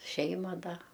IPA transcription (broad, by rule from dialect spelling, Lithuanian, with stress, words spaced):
ˈʃʲɛɪmɐ ˈdɐ